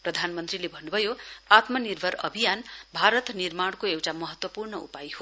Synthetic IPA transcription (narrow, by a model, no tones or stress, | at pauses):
prʌd̪ʱanmʌnt̪rilebʱʌnːubʱʌjoat̪mʌnirbʱʌɾʌ̰bʱijanbʱaɾʌt̪nirmaɽkoewʈamʌɦʌt̪wʌpurnʌṵpajɦo